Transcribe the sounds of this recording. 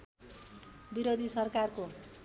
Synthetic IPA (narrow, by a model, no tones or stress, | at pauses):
biɾod̪ʱisʌrkarko